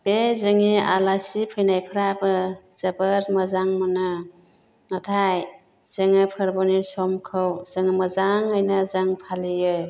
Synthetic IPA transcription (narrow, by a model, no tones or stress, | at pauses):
bezɯŋia̰lasipʰɯjnajpʰɯɾabɯz̥əbəɾmɐzaŋmanɯ | nətʰaj | z̥ɯŋɯpʰɯɾbɔnisɔmkʰɯwz̥ɯŋɯməzaŋɯjnɯzaŋpʰalijɯ